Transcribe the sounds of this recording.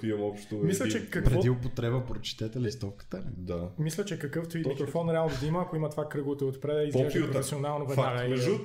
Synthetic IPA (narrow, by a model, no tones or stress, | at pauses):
kiɐmɔpʃt̪omislʲɐt͡ʃɛkːɐkpɾɛɔd̪iʊpot̪ɾɛbəpɾot͡ʃɛ̥t̪ɛt̪ɛlist̪ɔfkə̥t̪əlḭd̪amislʲɐt͡ʃɛkɐkɤft̪oimikɾofɔnɾɛalˠnod̪imɐɐkoimɐt̪vakɾɤɡˠt̪oot̪pɾɛd̪ɐizɡɛʒɛpɾofɛsionalˠnovɛd̪naɡəimɛʒu